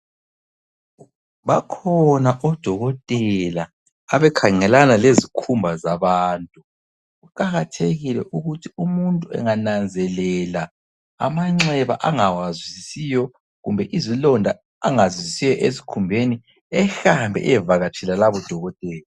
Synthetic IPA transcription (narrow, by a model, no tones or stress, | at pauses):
βakʰɔnaʔɔd̥ʱɔɣɔtʼɛlaː | βɛkʰaŋɛlanalezikʰumbʱazaβaːntʼu | ɣuǃʼaɣatʰeɣilɛ̰ʔuɣutʰiumuntʼuɛ̰ŋanand͡zʱɛlɛla | a̰maŋ͡ǀɛβa̰ʔaŋawazwizisijɔ | ɣumbʱɛʔizilɔndʱa | aŋazwizisijɔʔezikʰumbʱeni | ɛxambʱɛ̰ʔɛɛvaɣat͡ʃʰɛlalaβɔd̥ʱɔɣɔtʼɛːla